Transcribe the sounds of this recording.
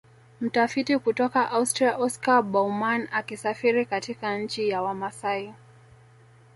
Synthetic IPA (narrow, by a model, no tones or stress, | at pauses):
m̩tafitikutɔkaʔaustɾiaʔɔskaɓɔumanakisafiɾikatikaɲ̩t͡ʃijawamasai